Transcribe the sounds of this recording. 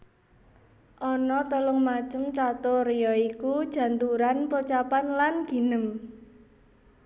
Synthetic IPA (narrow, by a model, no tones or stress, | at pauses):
ʔɔnɔt̪əlʊŋmḁt͡ʃəmt͡ʃat̪orejɔikud̥ʒ̥ä̤nt̪uɾanpot͡ʃapanlanɡ̥i̤nəŋ